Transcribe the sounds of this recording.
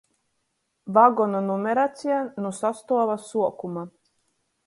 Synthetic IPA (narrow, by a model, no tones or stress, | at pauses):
vaɡɔnɔnumʲɛɾat̪sʲijanusast̪uɔvasuɔkuma